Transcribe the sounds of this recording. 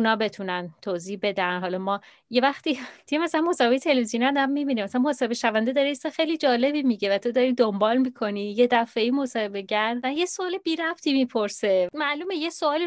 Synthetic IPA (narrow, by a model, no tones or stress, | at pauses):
unɒːbe̞t̪ʰunænt̪ʰoːziːhbe̞d̪ænɦɒlɒmɒː | jevæxt̪iːt̪iemæsælænmosɒːhebejet̪ʰe̞levizjoniæd̪æmːibiːnimæsælænmosɒːhebeʃævænd̪ed̪ɒːɾeist̪ɒxejliːd͡ʒɒːle̞biːmiɟevæt̪ʰo̞d̪ɒːɾid̪ombɒːlmiːkʰo̞nijed̪æfe̞iːmosɒːhe̞be̞ɟæɾd̪ænjesoɒːlebiːɾæbt̪ʰiːmipʰo̞ɾsemæʔluːmejesoɒːli